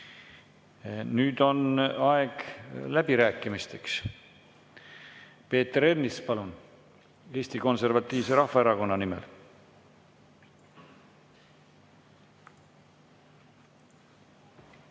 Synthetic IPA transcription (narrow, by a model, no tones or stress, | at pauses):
nyːd̪̥o̞nɑeɡ̥læb̥iɾæːkːˑimist̪e̞ks | pe̞ːt̪ːeɾernispɑlun | e̞ːst̪iko̞nse̞rvɑt̪ˑːiːvse̞ɾɑhfɑe̞ɾɑko̞nːɑnimḛl